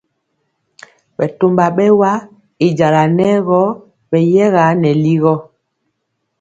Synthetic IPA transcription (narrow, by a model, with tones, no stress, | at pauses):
ɓɛ˨to˨mba˨ɓɛ˦wa˦ | i˨d͡ʒa˨la˨nɛ˦ɣɔ˦ | ɓɛ˨jɛ˦ɣa˨˦nɛ˨li˦ɣɔ˦